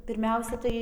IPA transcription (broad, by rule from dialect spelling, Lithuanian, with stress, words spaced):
pʲɪrʲˈmʲɛʊsʲɛ tɐɪ